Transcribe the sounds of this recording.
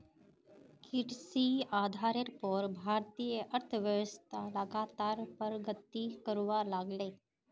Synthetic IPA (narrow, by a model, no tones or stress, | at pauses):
kiʈsiad̪ʱaɾeɾpɔɾbʱaɾt̪ijəʔəɾt̪ʰəʋjəʋəst̪ʰaləɡat̪aɾpəɾɡət̪ikəɾʋalaɡle